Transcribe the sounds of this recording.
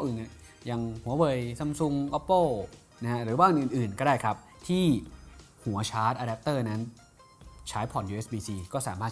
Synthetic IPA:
ʔɯː˨˩na˧˩ | ja˨˧ŋhu˩˦ɐwɤ˧˩jsa˧msu˧ŋʔɔ˦˥pːoː˥˩ | na˦ha˦˥ɾɯː˨˩˦baː˥˩ʔɯ˧˨˩ʔːnʔɯː˨˩nkɔː˥˩daː˥˩jkʰa˦˥p̚ | t̪ʰiː˥˩ | hu˨˩˦ɐt͡ɕʰaː˦˥t̪̚ʔaː˧da˦˥p̚t̪ɤː˥˩na˦˥n | t͡ɕʰaː˦˥jpʰɔ˨˩njuː˧e˦˥sbiː˧siː˧kɔː˥˩saː˩˦maː˥˩t̪̚

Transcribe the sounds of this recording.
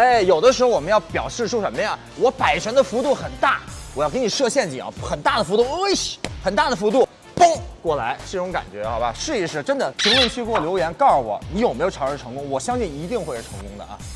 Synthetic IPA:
e˥˩ɪjo˨˩ʊd̪ə˦ʂɻ̩˧˥o˥˧wɔ˨˩m˦njɑ˥˩ʊpjɑ˨˩ʊʂɻ̩˥˧ʂu˥˩ʂə˧˥mə˧˥˨ | wɔ˧˥pa˨˩ɪt͡ɕʰɥɛ˧˥nd̪ə˧fu˧˥t̪u˥˩xə˨˩nt̪a˥˩wɔ˨˩jkə˧˥ni˨˩ʂɤ˥˧ɕjɛ˥˩nt͡ɕi˨˩ɑ̰˧˥xə˨˩nt̪a˥˩d̪ə˩fu˧˥t̪̬u˥˧ŋ˥ɕxə˨˩nt̪a˥˩d̪ə˩fu˧˥t̪̬u˥˩ | pɤ˥ŋkwɔ˥˩la̰˧˥ɪʂ̩˥˩ʈ͡ʂʊ˧˥ŋka̰˨˩nt͡ɕɥɛ˧˥xɑ˧ba̰˧˩ʂɻ̩˥˧i˥˧ʂɻ̩˥˩ʈ͡ʂə˥nd̪ə˨pʰi˧˥ŋwə˥˧nt͡ɕʰy˥˧kwɔ˥˩ljo˧˥ʊjɛ˧˥nkɑ˥˩ʊwɔ̰˨˩˦ni˧˥jo˨˩me˥jo˨˩ʊ˧˥ɻə˧˩ʈ͡ʂʰɤ˧˥ŋkʊ˥ŋwɔ˨˩ɕjɑ˥ŋɕi˥˩ni˧˥t̪i˥˧ŋxwe˥ɪʂ̩˥˩ʈ͡ʂʰɤ˧˥ŋkʊ˥ŋd̪ə̰˨ʔɐ̰˧˩

